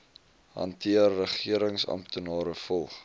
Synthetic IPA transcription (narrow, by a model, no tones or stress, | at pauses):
ɦɐ̰ntiərːəχiəɾəŋsɐ̰mptʰənɑːɾəfɔlˠχ